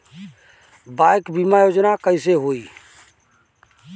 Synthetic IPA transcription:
bajkbimajod͡ʒnakəɪseɦoi

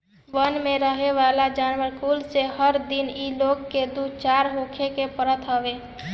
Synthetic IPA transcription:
ʋənmeɾəɦeʋalad͡ʒanʋəɾkulseɦəɾd̪inilokːed̪ut͡ʃaɾɦokʰekepəɾət̪ɦəbe

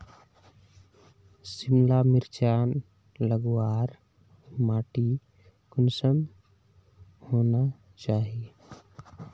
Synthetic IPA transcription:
sɪmlamɪɾt͡ʃaːn | ləɡwaːɾ | maːʈi | kʊnsən | hoːna | t͡ʃaːɦie

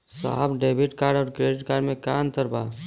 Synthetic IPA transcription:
sa̰ːbɖeːbʱɪʈkaːɾɖɔːɾkɾeːɖɪʈkaːɾɖmẽkaːnt̪əɾbaː

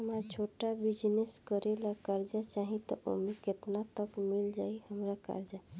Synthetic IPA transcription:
ɦəmaɾt͡ʃʰoʈabid͡ʒneskəɾelakaɾd͡ʒat͡ʃaɦĩt̪ɔ̰ʔo̰miket̪nat̪əkmild͡ʒaihəmɾaka̰ɾd͡ʒa

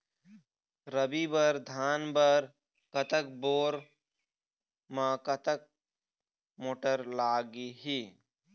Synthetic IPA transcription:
ɾəbibəɾd̪ʱaːnbəɾ | kɐt̪ək̚boːɾ | mãːkɐt̪ək̚ | moːʈəɾlaːɡiɦi

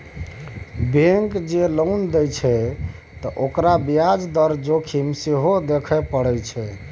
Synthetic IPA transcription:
bẽŋkd͡ʒelownd̪ɛjt͡ʃʰɛ | t̪ɔʔokɾabijad͡ʒd̪əɾd͡ʒokʰimseɦod̪ekʰɛpəɽɛt͡ʃʰɛ

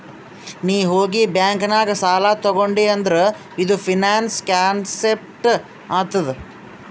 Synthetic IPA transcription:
niːɦoːɡibjaːŋkɐnaːɡɐsaːlaːt̪ɔɡoɳɖiːɐnd̪ɐɾe | id̪upʰinaːnskaːnsep̚ʈ | aːt̪ɐd̪e

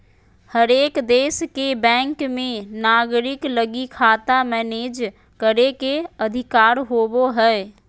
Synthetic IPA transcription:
həɾeːkd̪eːskebɛ̃ːŋkmẽnaːɡɾɪkləɡikʰaːt̪amɛːneːd͡ʒ | kəɾekeəd̪ʱɪkaːɾɦoːboɦɛː

